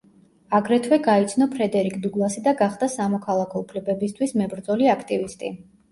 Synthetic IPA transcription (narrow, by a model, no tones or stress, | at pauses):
aɡɾɛt̪ʰwɛɡait̪sʰnɔpʰɾɛd̪ɛɾikʰd̪uɡlˠasid̪aɡaχd̪̥asamɔkʰalˠakʰɔupʰlɛbɛbist̪ʰwismɛbɾd̪zɔliakʰt̪ʼivist̪ʼḭ